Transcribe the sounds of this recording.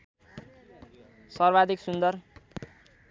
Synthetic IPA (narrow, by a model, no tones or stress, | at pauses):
sʌrbad̪iksund̪ʌr